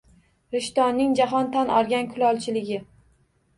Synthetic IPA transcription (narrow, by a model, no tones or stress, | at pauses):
ɾɪʃt̪ɒnːɪŋd͡ʒaɦɒnt̪ʰanɒ̰ɾˠɡʲankʰʊlˠɒlˠt͡ʃʰɪlɪɡʲɪ